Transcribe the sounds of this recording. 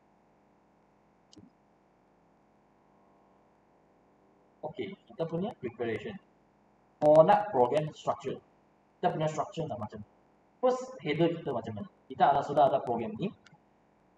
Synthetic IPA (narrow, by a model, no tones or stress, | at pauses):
okekit̪apunəpɹikɛɹeʃə̃n | fɔdaʔ̚pɹɔɡɛ̃mstɹak̚t͡ʃə | kit̪apunə̃stɹak̚t͡ʃənlamat͡ʃam | fəshedəkit̪əmat͡ʃamãnkit̪anasudaːdaʔpɹɔɡɹɛ̃mni